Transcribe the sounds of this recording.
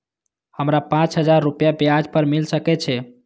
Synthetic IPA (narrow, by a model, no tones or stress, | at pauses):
həmɾapãt͡ʃɦəd͡ʒaɾːupjabjad͡ʒpəɾmilsəkɛt͡ʃʰɛ